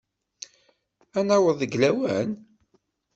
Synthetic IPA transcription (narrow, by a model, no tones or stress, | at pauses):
ænæwəðˤəɡlæwæ̰n